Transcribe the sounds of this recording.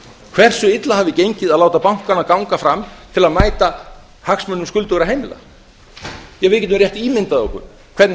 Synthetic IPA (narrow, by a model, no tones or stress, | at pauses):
kʰvɛr̥sʏɪt̪laɦaːvðɪcejɲcɪðaðlaːwt̪apawŋ̥kanːakawŋkafɾamt̪ʰɪlaðmaːjt̪a | haksmʏnːʏmskʏlt̪ʏɣɾaɦejmɪla̰ | jɛɣvɪːcɛt̪ʏmrjɛht̪iːmɪnt̪aðɔ̰hkʏ̰ɾ̥ | kʰv̥ɛt̪n